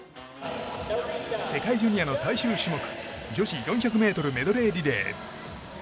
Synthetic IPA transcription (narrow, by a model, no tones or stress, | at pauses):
se̞kaid͡ʑɯɲ̟ʲijano̞saiɕɨːɕimo̞kɯ̥d͡ʑo̞ɕijõɰ̃çʲakɯ̟me̞ːt̪o̞ɾɯ̟me̞d̪o̞ɾe̞ːɾʲid̪e̞̰ː